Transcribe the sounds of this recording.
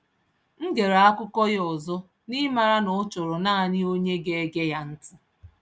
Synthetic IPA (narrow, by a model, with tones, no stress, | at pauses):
ŋ̩˦ɡe˨ɾa˨a˦kʊ˦kɔ˦jɔ˨zʊ˦ | ni˦ma˨ɾa˦nʊ˨˦t͡ʃʊ˨ɾʊ˨na˦˨ɲɪ˦o˦ɲe˦ɡe˦e˦ɡe˦ja˦n̩˦tʊ˦